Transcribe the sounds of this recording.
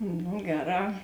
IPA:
nʊ ˈɡʲæːˌrɑː

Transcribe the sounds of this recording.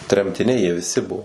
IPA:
tʲrʲɛmʲtʲɪˈnʲɛɪ jiɛ ʋʲɪˈsʲɪ ˈbuɔ

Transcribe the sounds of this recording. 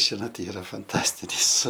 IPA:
ˈʒʲɪnoːt ˈiːrɐ fɐnˈtɑːsʲtʲɪnʲɪs

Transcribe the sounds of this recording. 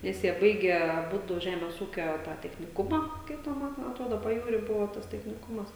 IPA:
ˈnʲɛs jiɛ ˈbɐɪɡʲɛ ɐˈbʊdʊ ˈʒʲæːmʲeːs ˈuːkʲoː tɑː tʲɛxʲnʲɪˈkʊmɑː ˈkɐɪp tʲɛn ˈmɐn ɐtˈroːdoː pɐˈjuːrʲiː ˈbʊʋoː tɐs tʲɛxʲnʲɪˈkʊmɐs

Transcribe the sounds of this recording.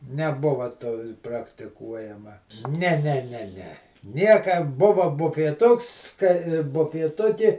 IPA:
nʲɛˈbʊʋɐ toː prɐktʲɪˈkuɔjɛmɐ ˈnʲɛ ˈnʲɛ ˈnʲɛ ˈnʲɛ ˈnʲiɛkɐ ˈbʊʋɐ bʊfʲiɛˈtʊks kɐɪ bʊfʲiɛˈtʊkʲɪ

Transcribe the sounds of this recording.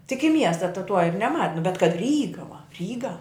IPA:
tʲɪk ɪ ˈmʲiɛstɐ tɐ tuɔ ɪr nʲɛˈmɐ nʊ bʲɛt kɐt ˈrʲiːɡɐ ʋɐ ˈrʲiːɡɐ

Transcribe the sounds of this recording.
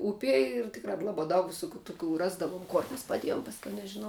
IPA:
ˈʊpʲiɛ ɪr ˈtʲɪkrɑː ˈlˠɑːbɑː ˈdɐʊk ʋʲɪˈsʊkʲuː tʊˈkʲuː ˈrɑːzdɐʋuɔm ˈkoːr mʲɛs pɐˈdʲiɛjoːm ˈpɑːsʲˌkʲɛʊ nʲɛʒʲɪˈnɐʊ

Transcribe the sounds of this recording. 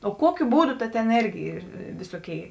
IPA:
oː ˈkuɔkʲʊ ˈbuːˌdʊ ˈtɐ tʲeːn ˈeːrʲɡʲɪ ˈiːr ˈʋʲɪsoːˌkʲeːɪ

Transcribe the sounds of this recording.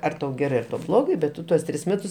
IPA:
ˈɐr tɐʊ ˈɡʲæːrɜ tɐʊ ˈblˠoːɡɐɪ bʲɛt ˈtʊ tuɔs ˈtʲrʲɪs ˈmʲæːtʊs

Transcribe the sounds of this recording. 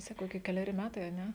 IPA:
ˈsɑːkɐʊ kʲɪ kʲɛlʲɛˈrʲɪ ˈmʲæːtɐɪ ɐ ˈnʲɛ

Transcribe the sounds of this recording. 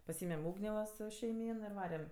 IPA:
pɐˈsʲiːmʲɛm ˈuːɡnʲeː ʋɐ ˈsʊ ʃʲɛɪˈmʲiːn ɪr ˈʋɑːrʲɛm

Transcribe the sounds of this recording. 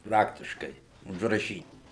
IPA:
ˈprɑːktʲɪʃkɐɪ ʊʒrɐˈʃʲiːtʲ

